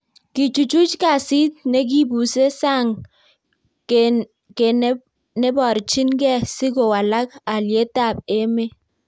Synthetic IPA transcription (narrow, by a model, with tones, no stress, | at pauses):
ki˨t͡ʃu˨t͡ʃu˦t͡ʃka˨si˦t̚ne˦k̬i˦bu˨se˦sa˦˨ŋ | ke˨˦ | ne˦bɔ˨ɾt͡ʃi˦nɡɛ˦si˦ko˨wa˨la˦k̚a˨lje˦ta˦˨b̚e˦me˦